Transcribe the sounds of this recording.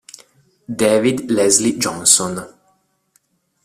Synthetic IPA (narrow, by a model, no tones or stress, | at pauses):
d̪eʋid̪lɛzlid͡ʒɔnson